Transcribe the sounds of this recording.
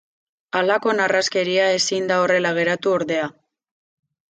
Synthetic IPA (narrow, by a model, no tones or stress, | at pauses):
alako̞naraske̞ɾiae̞sind̪ao̞re̞laɣ̞e̞ɾat̪uo̞ɾðe̞a